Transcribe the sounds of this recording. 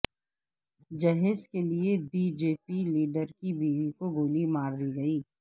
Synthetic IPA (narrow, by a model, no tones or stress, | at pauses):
d͡ʒɐɦezkeliebiːd͡ʒeːpiliːɖəɾkibiːʋikoɡoːlimaːɾd̪iɡɐiː